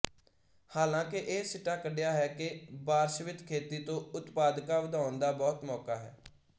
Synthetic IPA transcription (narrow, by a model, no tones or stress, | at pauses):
haːlãːkɪʔeːsɪʈaːkəɖejaːɦɛːkɪbaːɾsʋɪt̪kʰeːt̪iːt̪õːʊt̪paːd̪kaːʋəd̪ʱaːʊnd̪aːbɔːt̪mɔːkaːɦɛ̰ː